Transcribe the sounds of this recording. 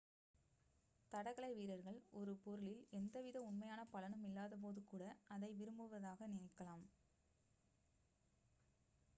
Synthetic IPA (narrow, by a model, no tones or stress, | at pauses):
t̪ɐɽɐɣɐɭɐɪʋiːɾɐɾɣɐɭɔɾɯpɔɾɯɭɪlɛnd̪ɐʋɪðɐʊɳmɐjaːnɐpɐlɐnɯmɪlːaːðɐp̬oːðɯkuːɽɐɐðɐɪʋɪɾɯmbɯʋɐðaːɣɐnɪnɐɪkːɐlaːm